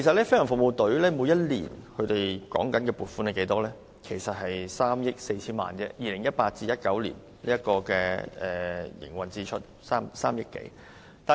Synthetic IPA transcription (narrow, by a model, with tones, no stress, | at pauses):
ke˨˩s̬ɐ˨t̚lɛː˥fe˥jɐ˨˩ŋfʊ˨mo˨˧wt̪ɵ˨˥ɥlɛː˥muː˨˧jɐ˥t̚lḭː˨˩nkʰɵ˨˧ɥt̪e˨jkɔ̰ː˨˥ŋkɐ˨˥nkɛː˧puː˨˩t̚fuː˥ne˨˧ke˨˧jt̪ɔː˥lɛː˥ | kʰe˨˩jsɐ˨t̚hɐ˨jsaː˥mjɪ˥k̚se˧jt͡sʰiː˥nma̰ː˨nt͡sɛː˧jiː˨lɪ˨˩ŋjɐ˥t̚paː˧t̚t͡siː˧jɐ˥t̚kɐ˨˥wlḭ˨˩n | liː˥jɐ˥t̚kɔː˧kɛː˧ʔɛː˨jɪ̰˨˩ŋwɐ˨˩nt͡siː˧t͡ʃʰɵ˥t̚ | saː˥msaː˥mjɪ˥kːḛ˨˥j | t̪aː˨